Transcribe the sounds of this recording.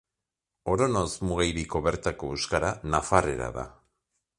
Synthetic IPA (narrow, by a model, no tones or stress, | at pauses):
o̞ɾono̞zmuɣajɾiko̞βe̞ɾt̪ako̞eskaɾanafare̞ɾa̰ða̰